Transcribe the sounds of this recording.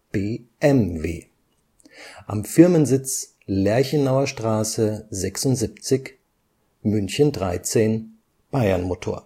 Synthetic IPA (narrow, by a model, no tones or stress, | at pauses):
b̥eːʔɛmvḛː | ʔamfɪɐmənzɪt͡s | lɛɐçənːaʊɐʃtʁ̥aːsəzɛksʊntz̥ipt͡sɪç | mʏnçəndʁaɪt͡seːn | b̥aɪɐnmotʰo̰ːɐ